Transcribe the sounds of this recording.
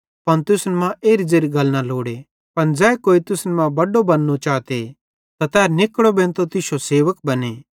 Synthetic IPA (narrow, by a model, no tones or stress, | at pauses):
pɐnt̪ʊsnmãʔeːɾid͡ʒeːɾiɡɐlnaloːɽe | pɐnd͡zɛːkoːit̪ʊsnmãbɐɖobɐnːot͡ʃaːt̪e | t̪at̪ɛːɾnɪkɽobẽːnt̪ot̪ɪsoseːʋəkbɐne